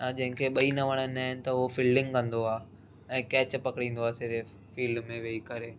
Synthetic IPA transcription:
ad͡ʑɐ̃ɦɪ̃kʰeɓɐinɐʋɐɽ̃ənaːɦɪnɪ̆t̪ɐʊɦofiːlɖɪ̃ŋɡkɐ̃nd̪oaː | ɛ̃ːkɛːt͡ɕpɐkɪɽĩːnd̪oaːsɪɾe | fiːlɖmẽʋeikɐɾeː

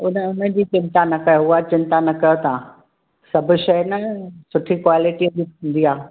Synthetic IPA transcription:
ʊnəʊn̤ə̆d͡ʑiːt͡ɕɪ̃nt̪anɐkɐjoʊat͡ɕɪ̃nt̪anɐkɐjot̪ã | sɐbʱʊ̆ʃɐjnɐsʊʈʰikwaːlɪʈiɐd͡ʑitʰũnd̪iaː

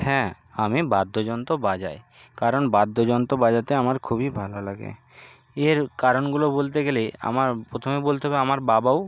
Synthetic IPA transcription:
hɛ̃ | amibad̪ʱːod͡ʑɔnt̪obad͡ʑa̰e | kaɾonbad̪ʱːod͡ʑɔnt̪obad͡ʑat̪eamaɾkʰubibʱalolaɡḛ | eɾkaɾonɡulobolt̪̬eɡelea̰maɾpɾot̪ʰomebolt̪eɦɔbeamaɾbabao

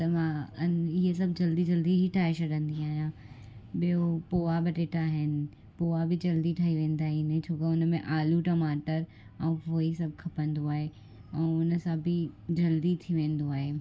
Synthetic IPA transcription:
t̪ɐmã | ɪɦes̬ɐbʱd͡ʑɐld̪id͡ʑɐld̪iɦiʈʰaːɦeɕɐɗə̃nd̪iaːɦjãː | ɓijopoːabɪʈeːʈaɦɪnɪ̆ | poːabɪd͡ʑɐld̪iʈʰaːɦiʋẽːn̆d̪aːɦɪnɪt͡ɕʰoːkeʊnmẽʔaːluʈɐmaːʈəɾ | ɛ̃ːfoːisɐbʱkʰɐpə̃nd̪oaːɦe | ɛ̃ːʊnə̆sãbʱɪd͡ʑɐld̪it̪ʰiʋẽːnd̪oaːɦeː

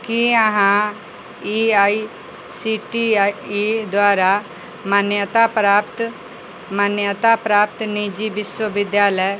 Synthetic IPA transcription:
kiəɦãː | iːaːi | siːʈiːiːd̪waːɾaː | mənjət̪aːpɾaːpt̪ | mənjət̪aːpɾaːp̚t̪niːd͡ʒiːbɪʃwəʋɪd̪jaːləj

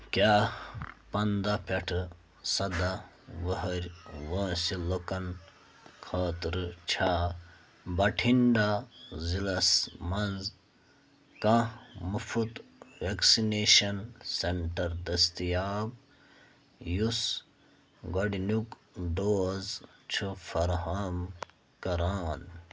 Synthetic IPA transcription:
kʲaːpɐnd̪apʰɐʈʰɨ | sɐd̪a | ʋəɦɐɾʲʋɐ̃ːsilokɐn | kʰɐːt̪ɾɨt͡ʃʰaː | bɐʈʰiɳɖazilɐsmɐnz | kãmufʰut̪ʋeksineːʃɐnseɳʈɐɾd̪ɐst̪ijaːb | jus | ɡɐɖinukɖoːzt͡ʃʰufʰɐɾhaːm | kɐɾaːn

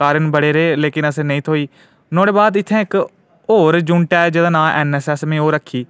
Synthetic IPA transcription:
aːɾənbəɽeːɾeːleːkɪnəsẽːnəĩːt̪ʰoːiː | nɔ̃ːɽeːbaːd̪ɪt̪ʰːɛ̃ːɪk | ɦoːɾd͡ʒuːɳʈɛːd͡ʒəd̪ãːnaːʔɛːnɛːsɛːsmẽːoːɾəkʰːiː

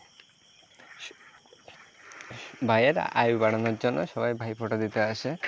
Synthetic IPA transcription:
bʱajeɾ̰a̰jbaɽanoɾd͡ʑonːoʃɔbajbʱajpʰɔʈad̪it̪eaʃe

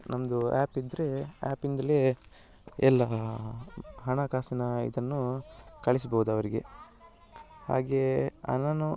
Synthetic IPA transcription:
nɐmɐd̪uaːpid̪ːɐɾe̞a̰ːpind̪ɐle | ɛlːɐ | ɦɐɳɐkaːsɐnɐḭd̪ɐnːukɐɭis̬bɐɦud̪uɐʋɐɾiɡe̞̰ | ha̰ːɡe̞ɐ̰nɐnu

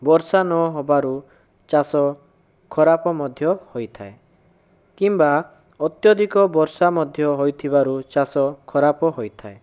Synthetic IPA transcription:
bɔɾsanɔɦɔbaɾu | t͡ʃasɔ | kʰɔɾapɔmɔd̪ʱjɔhojt̪ʰae | kimba | ɔt̪jɔd̪ʱikɔbɔɾsamɔd̪ʱjɔɦojt̪ʰibaɾut͡ʃasɔkʰɔɾapɔɦojt̪ʰae

